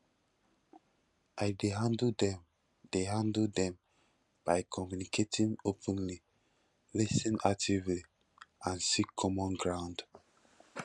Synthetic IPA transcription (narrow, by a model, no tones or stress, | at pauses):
ʔaɪdeɦãnddɛ̃m | d̥eɦãndldɛ̃m | b̥aɪkʰɔmjunikʰetʰĩnopʰɛ̃nli | lɛsĩnak̚tʰivli | ãnsikʰɔmɔ̃nɡɹãʊ̃nd